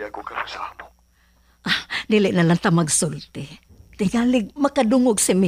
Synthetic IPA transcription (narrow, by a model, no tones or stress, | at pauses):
akokaɾosaamo | dilɪʔnalant̪amaɡsʊlt̪ɪ | t̪ɪɡalɪɡ̚makaduŋʊɡsɪmi